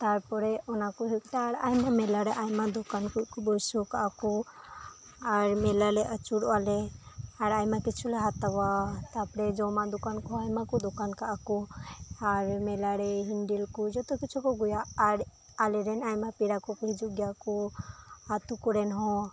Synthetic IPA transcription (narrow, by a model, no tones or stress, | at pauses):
t̪aɾpɔɾɛɔnakɔɦuk̚t̪aɾajmamɛlaɽɛʔajmad̪ɔkankuʔkɔbɔjsukaʔakɔ | aɾmɛlalɛʔət͡ʃuɽɔalɛaɾajmakit͡ʃʰulɛɦat̪awat̪apɾɛd͡ʒɔmad̪ɔkankɔajmakɔd̪ɔkankaʔakɔaɾmɛlaɽɛɦiɳɖilkɔd͡ʒɔt̪ɔkit͡ʃʰukɔɡujaːɾ | alɛɾɛnajmapiɾakɔkɦid͡ʒuɡjakɔ | at̪ukɔɾɛnɦɔ̃